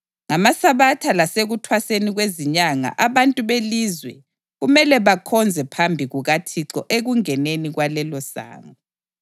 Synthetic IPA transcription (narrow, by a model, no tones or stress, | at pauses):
ŋamasaβatʰalaseɣutʰwaseniɣweziɲaŋa̰ʔaβantʼuβelizwɛ | ɣumɛlɛβakʰɔnd͡zʱɛpʰambʱiɣuɣatʰiǁɔʔeɣuŋɛneniɣwalɛlɔsa̰ːŋɔ